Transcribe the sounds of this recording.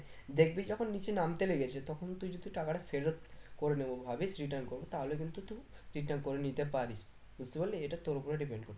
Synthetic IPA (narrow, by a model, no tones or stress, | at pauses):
d̪ekʰbid͡ʑɔkʰonːit͡ɕʰenamt̪eleɡet͡ɕʰet̪ɔkʰont̪ujd͡ʑod̪iʈakaʈafeɾot̪̚koɾenebobʱabisɾiʈ̬ənkoɾbet̪aɦolekint̪ut̪uɾiʈaɾnkoɾenit̪epaɾis | ust̪ibolːeeʈat̪oɾopuɾaɖipeɳɖkoɾt̪ʰ